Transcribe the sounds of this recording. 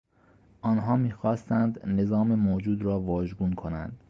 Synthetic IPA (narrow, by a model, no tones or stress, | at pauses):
ʔɒːnɦɒːmiːxɒːst̪ænd̪ne̞zɒːmemoːd͡ʒuːd̪ɾɒːʋɒːʒɡuːnkʰo̞næ̰nd̪̥